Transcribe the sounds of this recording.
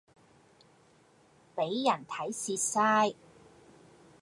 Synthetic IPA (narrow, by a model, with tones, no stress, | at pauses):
pe˨˥jːɐ˨˩nt̪ʰɐ˨˥jsiː˧t̚saː˥j